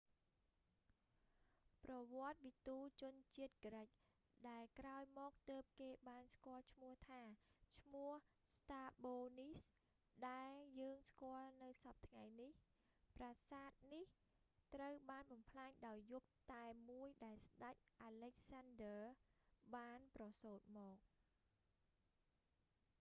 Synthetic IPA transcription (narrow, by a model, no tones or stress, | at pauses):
prɑʋŏət̪̚ʋit̪uːt͡ɕʊ̆ənt͡ɕiət̪̚kəɾəc̚ | ɗaɛlkraɔjmɔːk̚t̪əːp̚t̪eːɓaːnskŏəlt͡ɕʰmʊ̆əht̪ʰaːt͡ɕʰmʊ̆əhst̪aːɓoːnis | ɗaɛljəːŋskŏəlnɨwsɑp̚t̪ʰŋajnih | prasaːt̪̚nih | t̪rəwɓaːnɓɑmpʰlaːɲɗaɔjːup̚t̪aɛmuəjɗaɛlsɗac̚ʔaːlec̚sandəːɓaːnprɑsoːt̪̚mɔːk̚